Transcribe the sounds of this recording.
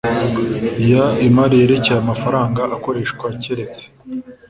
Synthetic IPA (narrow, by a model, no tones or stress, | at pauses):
jaimaɾijeɾe̞ceaamafaɾaːŋɡaʔako̞ɾe̞ːʃkwaceɾe̞t͡se̥